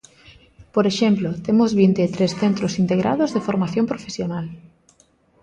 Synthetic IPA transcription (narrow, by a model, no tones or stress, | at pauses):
poɾeʃemplot̪emozβint̪et̪ɾesθent̪ɾosint̪eɣɾʔa̰ðozðefoɾmaθjompɾofesjonal